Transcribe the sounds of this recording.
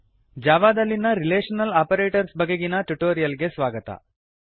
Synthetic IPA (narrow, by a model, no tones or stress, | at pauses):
d͡ʒaːʋaːd̪ɐlːinɐɾileːʂɐnɐlaːpɐɾeːʈɐɾsbɐɡeɡinɐʈuʈoːɾijɐlɡesʋaːɡɐt̪ɐ̰